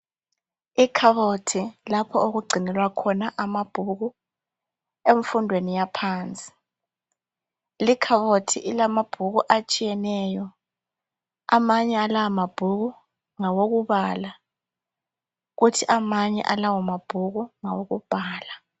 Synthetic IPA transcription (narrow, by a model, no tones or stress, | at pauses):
ikʰaβɔtʰilapʰɔoɣuɡ͡ǀʱinɛlwakʰɔnaʔamab̥ʱuɣu | eɱfundʱwenijapʰaːnt͡sʼi̥ | likʰaβotʰiʔilamab̥ʱuɣuʔat͡ʃʼijɛnɛjɔ | a̰maɲɛalawamab̥ʱuɣu | ŋawoɣuβaːla | ɣutʰiʔamaɲɛ̰ʔalawamab̥ʱuɣuŋawoɣub̥ʱaːla